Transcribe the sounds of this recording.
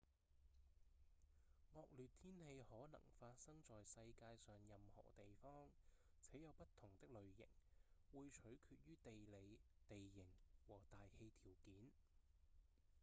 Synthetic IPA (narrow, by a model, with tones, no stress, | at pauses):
ŋɔː˧k̚lyː˨t̪ʰiː˥nhe˧jhɔː˨˥nɐ̰˨˩ŋfaː˧t̚sɐ˥ŋt͡sɔː˨jsɐ˧jkaː˧jsœː˨ŋjɐ˨mhɔ̰ː˨˩t̪e˨jfɔː˥ŋ | t͡sʰɛː˨˥jɐ˨˧wpɐ˥t̪ʰʊ˨˩ŋt̪ɪ˥k̚lɵ˨ɥjɪ̰˨˩ŋwuː˨jt͡ʃʰɵ˨˥ɥkʰyː˧t̚jyː˥t̪e˨jle˨˧jt̪e˨jːɪ˨˩ŋwɔː˨˩t̪aː˨jhe˧jt̪ʰiː˨˩wkiː˨˥n